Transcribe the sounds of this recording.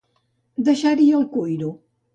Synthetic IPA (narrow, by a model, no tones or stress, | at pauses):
d̪əʃaɾiəlˠkujɾu